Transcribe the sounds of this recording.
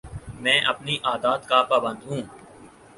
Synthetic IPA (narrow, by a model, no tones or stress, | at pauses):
mɛ̃ːʔɐpniʔaːd̪aːt̪kaːpaːbə̃nd̪ʱɦũː